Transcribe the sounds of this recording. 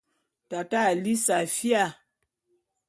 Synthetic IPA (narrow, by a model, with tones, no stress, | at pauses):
ta˨ta˦˨li˦sa˨fi˦a˦˨